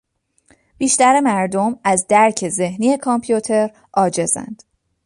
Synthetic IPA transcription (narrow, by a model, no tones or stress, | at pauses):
b̥iːʃt̪æɾemæɾd̪o̞mæzd̪æɾcʰe̞ze̞hniːe̞kʰɒmpʰijut̪ʰe̞ɾ | ʔɒːd͡ʒe̞zæ̰nd̪̥